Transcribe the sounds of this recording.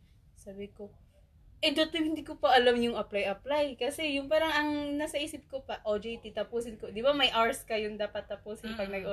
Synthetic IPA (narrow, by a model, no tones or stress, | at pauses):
saːbɪko | ʔɛd̪ot̪ohɪnd̪ikopɐʔɐlamɲʊŋʔɐplajʔɐplajkɐsɛjʊŋpaːɾɐŋɐŋnasɐʔiːsɪp̚kopɐʔod͡ʒɛjt̪it̪ɐpuːsɪnko̞d̪ɪbamɐjʔaɹskɐjʊŋd̪aːpɐt̪ːɐpuːsɪnpɐɡ̚nɐɡʔo